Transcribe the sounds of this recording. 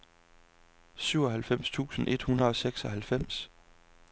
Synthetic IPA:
syʊ̰ɒ̽ɦælfem̰st͡sʰṵːsn̩ʔe̝d̥hunɐðˠɒ̽seɡ̥sɒ̽ɦælfem̰s

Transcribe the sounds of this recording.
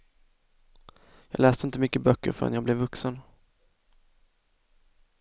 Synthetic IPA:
jɑːɡlɛːst̪əɪnt̪əmʏkːəbœkːə̰ɾfœɛ̰njɑːɡblɛvːɵksən

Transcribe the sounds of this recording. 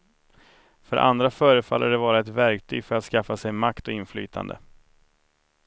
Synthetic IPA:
fœɾʔa̰nd̪ɾafœːɾəfa̰lːʔæɖɛvɑːɾaɛt̪væɾkt̪ʰyːɡfœɾat̪skafːasɛjmakt̪ɔɪnfly̰ːt̪ʰa̰nd̪ə̰

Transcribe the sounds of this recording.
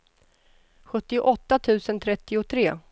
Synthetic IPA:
ɧɵt̪ːɪʊʔɔt̪ːat̪ʰʉ̟ːsənt̪ʰɾɛt̪ːɪʊt̪ʰɾeː

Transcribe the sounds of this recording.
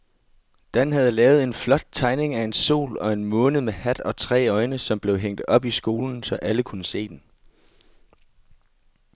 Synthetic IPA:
d̥ænɦæð̞̩ˠlɛːʊð̞̩ˠe̝nflɒ̽d̥̚t͡sʰɑ̈ɪne̝ŋæe̝nso̝̰ːlɒ̽e̝nmɔ̽ːnð̩ˠmehæd̥ɒ̽t͡sʰʁɛ̰ːɒ̽ɪnəsɒ̽mb̥le̝ʊɦeŋ̰d̥ɒ̽b̥isɡ̥o̝ːln̩sɒ̽ʔæləkʰunəse̝̰ːd̥en

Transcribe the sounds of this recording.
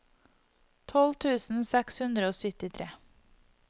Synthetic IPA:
t̪ʰɔlt̪ʰʉːsn̩sɛkshʉnd̪ɾəoːsʏt̪ɪt̪ʰɾeː

